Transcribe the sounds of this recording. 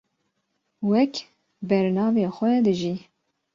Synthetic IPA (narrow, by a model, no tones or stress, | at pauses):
wɛk | bɛɾnɑːveːxʷɛd̪ɨʒi